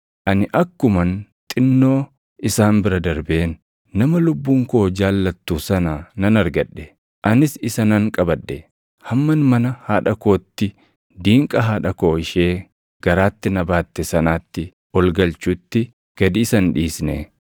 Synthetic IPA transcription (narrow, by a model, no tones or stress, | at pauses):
ʔɐnɪʔɐkːʊmɐnt̪ʼɪnːo̞ː | ʔɪsaːmbɪɾɐd̪ɐɾbeːnː | ɐmɐlʊbːuːŋko̞ːd͡ʒaːlːɐt̪ːuːsɐnanɐnɐɾɡɐᶑːɛ̥ | ʔɐnɪsɪsɐnɐŋkʼɐbɐᶑːɛ | hɐmːɐnmɐnɐhaːᶑɐko̞ːt̪ːɪ | d̪iːŋkʼɐɦaːᶑɐko̞ːɪʃeː | ɡ̥ɐɾaːt̪ːɪnɐbaːt̪ːɛsɐnaːt̪ːɪ | wɔlɡɐlt͡ʃuːt̪ːɪ | ɡ̥ɐd̪iːsɐnᶑiːsnḛː